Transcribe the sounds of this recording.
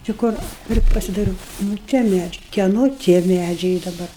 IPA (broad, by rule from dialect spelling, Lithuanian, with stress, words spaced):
t͡ʃʲɪ ˈkʊr ˈpʲrʲɪ pɐsʲɪdɐɪˈruːʊ nʊ ˈtʲiɛ ˈmʲæːd͡ʒʲɛɪ kʲiɛˈnoː tʲiɛ ˈmʲæd͡ʒʲɛɪ ɪ dɐˈbɐr